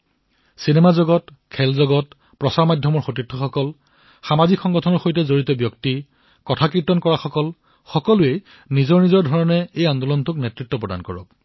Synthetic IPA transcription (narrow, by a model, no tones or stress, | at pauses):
sinemazɔɡɔt | kʰɛlzɔɡɔt̚ | pɹɔsaɹmadʱjɔmɔɹxotitʰːɔxɔkɔl | xamazikxɔŋɡɔtʰɔnɔɹxojtɛzoɹitɔbjɔkti | kɔtʰakiɹtɔnkɔɹaxɔkɔl | xɔkɔlʊe | nizɔɹnizɔɹdʱɔɹɔnɛejandɔlɔntʊknetɹitːɔpɹɔdankɔɹɔ̰k